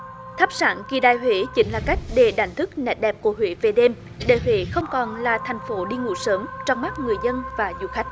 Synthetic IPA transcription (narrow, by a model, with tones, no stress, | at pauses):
t̪ʰa˦˥p̚sa̰ː˧˩˦nki˨˩ɗaː˧˨jɦwḛ˧˥t͡ɕï˨˦ŋ̟laː˨˩ka˦˥jk̟̚ɗe˨˩ɗa̰˧˨˩jŋt̪ʰɨ˦˥k̚nɛ̰˧˨˩t̚ɗɛ˨˩p̚ku˧˩əɦwḛ˧˦ve˨˩ɗe˧m | ɗḛ˧˩hwḛ˧˨˦xə˧wŋ͡mkɔ˨˩nlaː˨˩t̪ʰa˨˩jŋ̟fo˨˦ɗi˧ŋṵ˧˥səː˨˦mt͡ɕɔ˧wŋ͡mma˦˥t̚ŋɨ˨˩əjzə˧nvaː˨˩zṵ˧˩xa˦˥jk̟̚